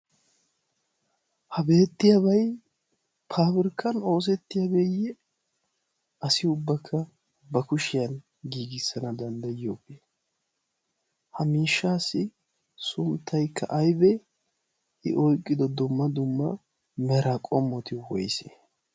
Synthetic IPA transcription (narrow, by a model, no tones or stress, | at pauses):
hɐbe̞ːt̪ːɪjabɐj | pʰaːbɪɾkʰːɐno̞ːs̬ɛt̪ːɪjɐbejɛ | ɐsɪʊbːɐkʰːɐ | bɐkʊʃɪjɐn | ɡiːɡɪsːɐnɐd̪ɐnd̪ɐjɪjoːbe | hɐmiːʃːaːsːɪ | sʊmt̪ʰːɐjkʰːɐ̰ʔɐjbɛ | ʔɪ̰ʔɔjkʼːɪd̪ɔd̪ʊmːɐd̪ʊmːɐ̰ | mɛɾɐkʼɔmːɔt̪ɪwɔ̰jsḛ